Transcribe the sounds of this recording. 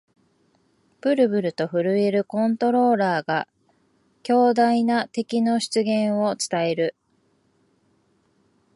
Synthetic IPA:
b̥ɯ̟ɾɯ̟bɯ̟ɾɯ̟t̪o̞ɸɯ̟ɾɯ̟e̞ɾɯ̟kõ̞nt̪o̞ɾo̞ːɾaːɡa | kʲo̞ːd̪ainat̪e̞kʲino̞ɕi̥t͡sɨɡẽ̞ɰ̃o̞t͡sɨ̥t̪ae̞ɾɯ̟

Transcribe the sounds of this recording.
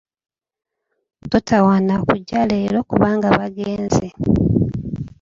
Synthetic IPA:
totʰawaːnakuɟːaleːɾo̞kuβaːŋɡaβaɡeːnze

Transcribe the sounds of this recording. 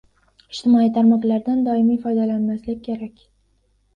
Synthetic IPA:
ɪd͡ʒt̪ɪmɒit̪ʰaɾmɒqlaɾd̪and̪ɒɪmijfɒjd̪alanmaslɪkʲkʲʰːe̞ɾakʲ

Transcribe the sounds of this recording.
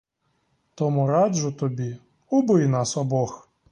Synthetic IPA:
t̪ɔmʊɾadʒʊt̪ɔbʲi | ubɪjnasɔbɔx

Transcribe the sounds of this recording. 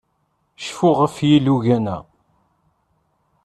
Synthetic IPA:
ʃfʊʁəfjiluʝænæ̰

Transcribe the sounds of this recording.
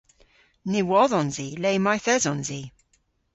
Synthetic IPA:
nɪwɔðɔ̃nzileɪmajθɛzɔ̃nzi

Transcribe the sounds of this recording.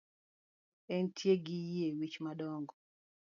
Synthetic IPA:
ɛntʰjeɡijewit͡ʃmadɔŋɡɔ

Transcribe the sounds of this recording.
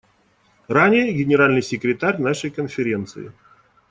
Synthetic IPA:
ranʲɪjəɡʲɪnʲɪɾalʲnɨjsʲɪkɾʲɪt̪aɾʲnaʂəjkənfʲɪɾʲe̞nt̪sɨ̰ɪ̰

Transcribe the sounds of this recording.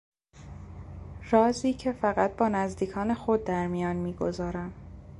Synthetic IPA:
ɾɒːziːcʰe̞fæɣæt̪̚bɒːnæzd̪iːkʰɒːne̞xod̪̚dːæɾmijɒːnmiːɡo̞zɒːɾæm

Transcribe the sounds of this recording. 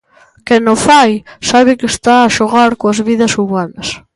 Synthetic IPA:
kɛnofajsaβɪkest̪aːʃoɣaɾkoɐzβiðɐsuβanɐs

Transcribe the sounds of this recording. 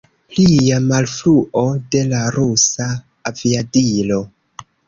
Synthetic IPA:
lijamalfluʔo̞de̞laɾusaː | viadilo̞

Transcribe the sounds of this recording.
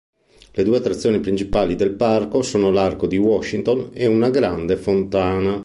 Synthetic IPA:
led̪uːeat̪ːɾat̪sːjoːnipɾint͡ʃipaːlid̪elparkosoːnolarkod̪iwɔʃːint̪oneunaɡɾand̪efont̪aːna

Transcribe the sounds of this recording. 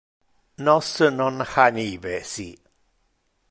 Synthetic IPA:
nɔsənɔnhanibɛsi

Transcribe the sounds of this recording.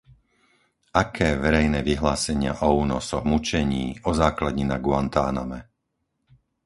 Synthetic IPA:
ʔakʰɛːʋɛɾɛjnɛːʋiɦlaːsɛɲɪa̰ʔɔuːnɔsɔɣmut͡ʃɛɲiːɔzaːklad̪ɲinaɡʊant̪aːna̰mɛ̰

